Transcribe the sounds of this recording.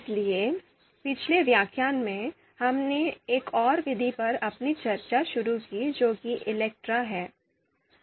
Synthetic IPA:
ɪslie | pɪt͡ʃʰleʋjaːkʰjaːnmẽ | hɐmneeːkɔːɾʋɪd̪ʱipɐɾɐpnit͡ʃɐɾt͡ʃaʃʊɾukid͡ʒoːkiʔɪlɛːk̚ʈɾaɦɛː

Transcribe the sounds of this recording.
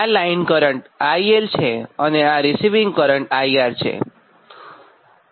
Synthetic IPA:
alajnkɔɾəɳʈajelt͡ʃʰeʌneaɾisiʋĩŋɡkɔɾəɳʈajaɾt͡ʃʰḛ

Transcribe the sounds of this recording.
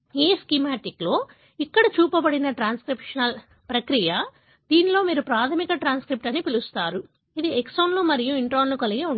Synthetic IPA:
eːskimaːʈiklo̞ː | ikːɐɽɐt͡ʃuːpɐbɐɽinɐʈɾaːnskɾipʂɐnɐl | pɾɐkɾijɐ | d̪iːnilo̞ːmiːɾupɾaːt̪ʰɐmikɐʈɾaːnskɾip̚ʈɐnːipilust̪aːɾu | id̪ieksoːnlumɐɾijuiɳʈɾoːnlukɐliɡeːuɳ

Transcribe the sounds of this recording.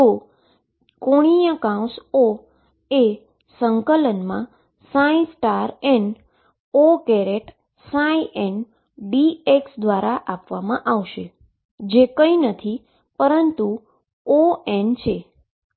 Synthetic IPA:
o | koɽ̃ijəkãw̃so | e | səŋkələnmã | sãĩsʈaɾen | okeɾeʈ | sãiʔen | bieksd̪ʋaɾaʔapʋamãʔaʋʃe | d͡ʒekəinət̪ʰi | pəɾənt̪u | oent͡ʃʰe

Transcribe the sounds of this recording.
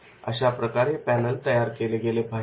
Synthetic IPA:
ə̰ɕapɾəkaɾepænəlt̪əjaɾkeleɡelebʱa

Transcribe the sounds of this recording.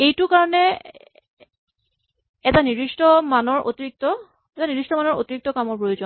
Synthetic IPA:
ejtʊkaɹɔnɛ | ɛtaniɹistɔmanɔɹʔo̰tiɹik̚tɔ | ɛtaniɹistɔmanɔɹo̰tiɹik̚tɔkamɔɹpɹojozon

